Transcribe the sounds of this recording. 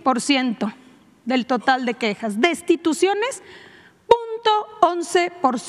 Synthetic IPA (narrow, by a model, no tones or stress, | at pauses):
po̞ɾsje̞nt̪o̞ | ðe̞lt̪o̞t̪ald̪e̞kexazd̪est̪it̪usjo̞ne̞s | punt̪o̞onse̞po̞ɾs